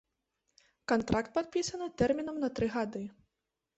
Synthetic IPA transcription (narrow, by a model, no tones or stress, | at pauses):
kant̪ɾʔakt̪̚pat̪̚pʲisɐnɨt̪ɛrmʲinɐmnɐt̪ɾɨɣad̪ɨ